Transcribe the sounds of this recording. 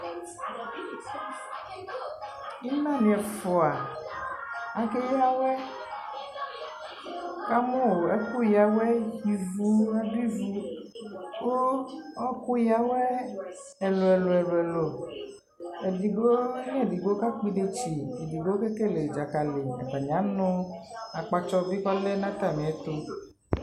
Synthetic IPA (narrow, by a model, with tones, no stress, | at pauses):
i˦nã˦nĩ˨ɛ˨fɔ˨a˨ | a˨ke˦ja˦wɛ˦ | ka˦mõ˦o˨ɛ˦ku˦ja˨we˦ki˨vu˦na˦di˦vu˦ | wo˦ɔ˦ku˦ja˨we˦ | ɛ˨lo˨ɛ˨lo˨ɛ˨lo˨ɛ˨lo˨ | e˨di˨ɡo˦ɲ˦ɛ˦˨di˨ɡ͡bo˦ka˦k͡pi˦ɖe˦t͡ʃi˨e˨di˨ɡo˦ke˦ke˦le˨d͡ʒa˨ka˨le˨ɛ̰˨ba˨ɲ˨ã˨˦nɔ̃˦a˨k͡pa˨t͡ʃɔ˦vi˦kɔ˦le˦nã˦t̪a˦˨mĩ˨ɛ˦t̪o˦